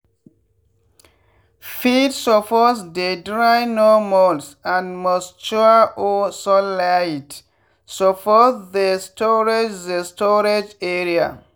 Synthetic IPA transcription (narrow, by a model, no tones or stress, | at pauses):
fidsɔfɔsdedɹajnɔmɔlsãnmɔst͡ʃuəʔɔsɔlajt | sɔfɔθdestʰɔɹed͡ʒðestɔɹed͡ʒeɹia̰